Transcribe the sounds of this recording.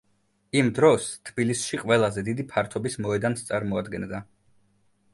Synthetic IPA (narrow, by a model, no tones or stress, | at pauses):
imd̪ɾɔst̪ʰbilisʃiqʼwɛlˠazɛd̪id̪ipʰaɾt̪ʰɔbismɔɛd̪anst̪sʼaɾmɔad̪ɡɛnd̪a